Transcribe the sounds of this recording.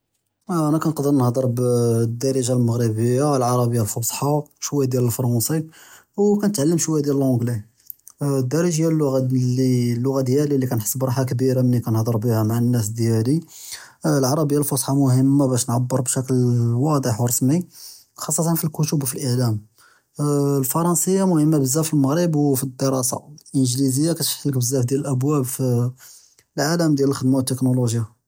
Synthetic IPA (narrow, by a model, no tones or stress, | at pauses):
ʔænækænəqd̪əɾnəhd̪ˤəɾbd̪ːɑɾˤiʒalməɣɾibəjːaəlʕɑɾˤɑbəjːalfosˤħɑʃwæjːad̪jæləlfɑɾˤɑnsˤi | wkænət̪ʕalːəmʃwæjd̪jæləlʕʊ̃ɡli | d̪ːɑɾˤiʒəjːalːʊɣalilːʊɣad̪jælilːikænħə̥sːəbɾˤɑħakbiɾamənːikænhd̪ˤəɾˤbihæmaʕənːæs̬d̪jæli | lʕɑɾˤɑbəjːalfosˤħɑmʊhəmːabæʃnʕabːəɾˤbʃæklwɑd̪ˤəħwɾˤɑsmi | xɑsˤːɑt̪ɑnfilkʊt̪əbfilʔəʕlæm | lfɑɾˤɑnsəjːamʊhəmːabəzːæfilməɣɾəbwfid̪ːəɾˤɑsɑ̰ʔənʒlizəjːakæt̪fħlək̚bəzːæfd̪jæləlʔæbwæbfi | lʕaləmd̪jæləlxəd̪mawət̪ːəknoloʒja